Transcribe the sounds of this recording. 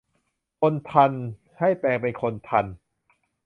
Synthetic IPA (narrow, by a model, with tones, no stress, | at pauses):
kʰo˧nt̪ʰa˧n | ha˥˩jpɛː˧ŋpe˧nkʰo˧nt̪ʰa˧n